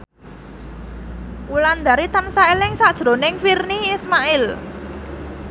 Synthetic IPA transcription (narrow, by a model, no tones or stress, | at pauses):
ʔuland̪aɾit̪ənsaelɪŋsad̥ʒ̥ɾo̤nɪŋfirniismaɪl